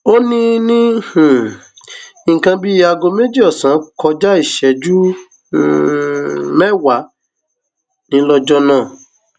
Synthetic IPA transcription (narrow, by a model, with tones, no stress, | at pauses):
o˦nĩ˦nĩ˦hũ˨ | ĩ˨kã˧bi˦a˧ɡo˧me˦d͡ʒi˦ɔ˦˨sã˨˦kɔ˧d͡ʒa˦i˦˨ʃɛ˨d͡ʒu˦˨ | mɛ˦wa˨˦ | nĩ˧˦lɔ˧d͡ʒɔ˦nã˦˨